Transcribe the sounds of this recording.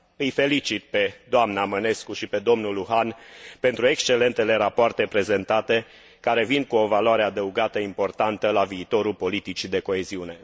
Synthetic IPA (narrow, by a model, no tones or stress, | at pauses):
ɨjfe̞lit͡ʃit̪̚pe̞d̪oamnaməne̞skuʃipe̞d̪o̞mnuluɦanpe̞nt̪ɾue̞kst͡ʃe̞le̞nt̪ele̞ɾapoart̪e̞pɾe̞ze̞nt̪at̪e̞ | kaɾe̞vind̪̚kuo̞valoaɾe̞ad̪əuɡat̪əimpo̞rt̪ant̪əlaviːt̪o̞ɾulpo̞lit̪it͡ʃid̪e̞ko̞e̞ziune̞